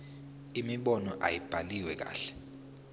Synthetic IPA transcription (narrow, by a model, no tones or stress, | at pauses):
imiɓɔnɔʔa̰jib̥ʱaliwɛk̬a̰ːɬɛ̥